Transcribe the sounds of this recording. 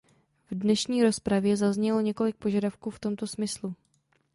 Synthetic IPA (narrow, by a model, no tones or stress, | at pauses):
vdnɛʃɲiːɾo̞spɾavjɛzazɲɛloɲɛko̞lɪk̚po̞ʒadafkuːft̪o̞mt̪o̞smɪslu